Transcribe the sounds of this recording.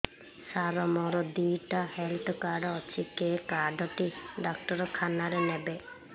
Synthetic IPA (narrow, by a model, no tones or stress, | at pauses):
saɾɔmɔɾɔd̪ujʈahelʈɔkaɖɔɔt͡ʃʰikekaɖʱɔʈiɖakʈɔɾɔkʰanaɾenebe